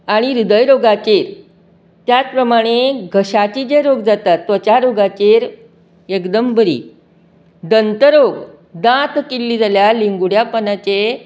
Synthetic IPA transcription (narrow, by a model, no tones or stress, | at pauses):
aɽ̃iɾud̪əjɾoɡat͡ɕeɾ | t̪jat͡spɾəmaɽ̃eɡʱəɕat͡ɕid͡ʑeɾoɡd͡zat̪at̪ːət͡ɕaɾoɡat͡ɕeɾ | ekd̪əmbəɾḭː | d̪ənt̪əɾoɡ | d̪ãt̪kilːiːd͡zaljaliŋɡuɽjapənat͡ɕe